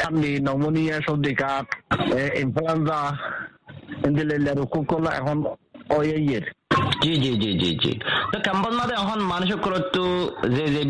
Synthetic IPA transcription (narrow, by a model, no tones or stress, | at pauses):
aɾnːinɔmonijaʃɔd̪ikatinfuensa | ind̪ilelːaɾukːukːɔlaɛ̰kʰɔnɔjajeɾd͡ʒid͡ʒid͡ʒid͡ʒḭd͡ʒḭt̪ɔkɛmpɔsmad̪ɛɔkɔnmanuʃ̬ɔkːɾɔt̪ːuzeze